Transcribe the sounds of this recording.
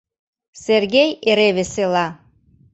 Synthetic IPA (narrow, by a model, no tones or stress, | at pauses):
serɣejeɾeβeselɑ